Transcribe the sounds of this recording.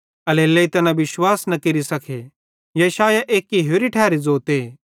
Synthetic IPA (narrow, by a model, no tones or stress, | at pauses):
ɐleːlːeit̪ɐnaʋɪʃwaːsnɐkeɾisɐkʰe | jɐʃaːjaʔeːkːiɦoːɾiʈʰɛːɾid͡zoːt̪eː